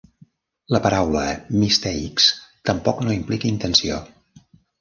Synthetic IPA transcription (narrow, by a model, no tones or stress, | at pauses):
ləpəɾawləmist̪ɛikst̪əmpɔknoimplikəint̪ənsio̰